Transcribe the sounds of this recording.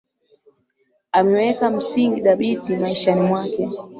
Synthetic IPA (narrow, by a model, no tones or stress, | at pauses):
amɛwɛkam̩siŋɡiɗaɓitimaiʃanimwakɛ